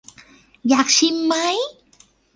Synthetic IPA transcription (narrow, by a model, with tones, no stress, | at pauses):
jaː˨˩k̚si˧mːa˦˥j